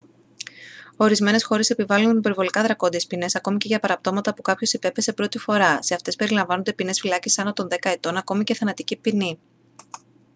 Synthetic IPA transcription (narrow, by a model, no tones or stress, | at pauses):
o̞ɾizme̞ne̞sxo̞ɾe̞se̞pivɐlunipe̞ɾvo̞likɐðɾɐko̞nd̪iespine̞sɐko̞mice̞ʝɐpɐɾɐpt̪o̞mɐt̪ɐpukɐpço̞sipe̞pese̞pɾo̞t̪ifo̞ɾɐse̞ɐft̪e̞spe̞ɾilɐɱvɐno̞nd̪e̞pine̞sfilɐcesɐnot̪o̞nðe̞kɐet̪o̞nɐko̞mice̞θɐnɐt̪icipini